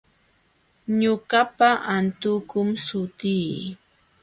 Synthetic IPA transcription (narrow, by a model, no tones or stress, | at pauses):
ɲʊkapaʔant̪ʊkʊmsʊt̪iː